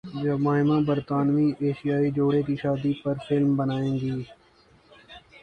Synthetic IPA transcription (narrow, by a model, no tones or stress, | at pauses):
d͡ʒəmaːɦɪmãːbəɾt̪aːnʋiːʔeːʃijaːiːd͡ʒoːɽekiʃaːd̪iːpɐɾfʰɪlmbənaːẽːŋɡiː